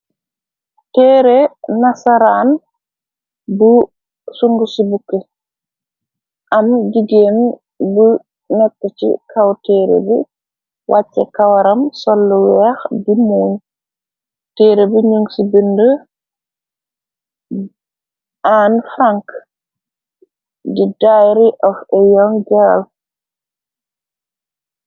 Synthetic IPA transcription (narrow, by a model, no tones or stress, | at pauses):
teːɾenasaɾaːn | bu | suŋɡusibukːə | ʔamɟiɡen | bə | nɛtːət͡ʃḭkʰawteːɾḛbḭ | wʔat͡ʃːɛ̰kawaɾɐmsɔlːuwɛːxdimuːɲ | teːɾebiɲuŋsibində | aːnfɾaŋk | didajɾiʔɔfɛjɔŋd͡ʒaal